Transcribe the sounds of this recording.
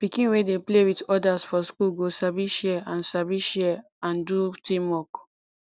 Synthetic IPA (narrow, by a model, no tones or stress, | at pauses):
pikĩnwedeplewitɔdasfɔskulɡosabiʃɛãnsabiʃɛ | ãndutĩmwɔk